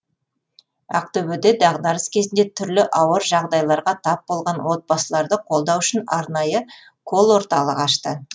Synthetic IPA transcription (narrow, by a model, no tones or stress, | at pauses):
ɑ̰q̚t̪ɵbɪd̪e̞d̪ɑʁd̪ɑɾəskʲʰe̞zɪnd̪e̞t̪ʰʏɾlɪʔɑwəɾʒɑʁd̪ɑjlˠɑɾʁɑt̪ʰɑp̚bo̞lˠʁɑnwo̞t̪̚bɑsəlˠɑɾd̪əqʰo̞lˠd̪ɑwʏʃɪnɑɾnɑjə | kʰo̞lˠwo̞ɾt̪ɑlˠəqɑʃt̪ə